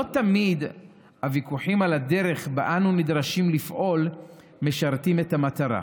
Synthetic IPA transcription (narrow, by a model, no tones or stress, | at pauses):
lotamid̪ | havikuħimalade̞ʁe̞χbaʔanunidʁaʃimlifʔo̞l | me̞ʃaʁtime̞thamat̪aʁa̰